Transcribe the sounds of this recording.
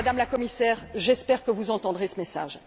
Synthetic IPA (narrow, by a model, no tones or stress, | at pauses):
d̪amlakɔmisɛːʁʒɛspɛʁkəvuzɑ̃t̪ɑ̃d̪ʁesəmɛsa̰ːʒ